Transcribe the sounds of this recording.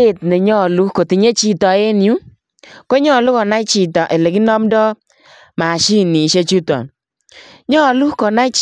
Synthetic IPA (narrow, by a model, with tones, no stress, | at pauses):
e˦˨t̚nɛ˨ɲɔ˦˨lu˦ko˨ti˨ɲe˦t͡ʃi˦tɔ˨e˦nju˦ | kɔ˦ɲɔ˦˨lu˦kɔ˨na˦t͡ʃi˨tɔ˨ʔe˨le˨ki˦nɔ˦mdɔ˦ | ma˨ʃi˦ni˨ʃe˦t͡ʃu˦tɔ̰˨n | ɲɔ˦˨lu˦kɔ˨na˦